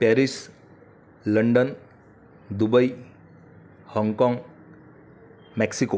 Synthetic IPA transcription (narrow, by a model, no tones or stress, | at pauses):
pɛɾis | ləɳɖən | d̪ubəj | hɔŋɡkɔ̃ŋɡ | mɛksiko